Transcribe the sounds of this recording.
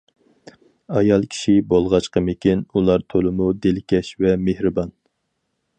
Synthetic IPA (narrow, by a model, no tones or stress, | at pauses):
ɑjɑlˠkʲʰi̥ʃibolˠʁɑt͡ʃqəmekʲinulˠɑɾt̪ʰolˠɨmud̪elɪkʲʰɛʃvɛmehɾɨbɑn